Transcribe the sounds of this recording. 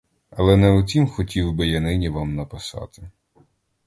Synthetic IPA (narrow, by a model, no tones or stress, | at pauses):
ɐlˠɛnɛʊt͡sʲimxɔtʲiwbɪjanɪnʲiʋɑmnɐpɪsɑ̰t̪ɪ̥